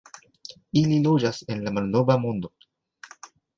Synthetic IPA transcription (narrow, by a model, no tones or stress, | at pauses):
ililo̞d͡ʒase̞nlamalno̞vamo̞ndo̞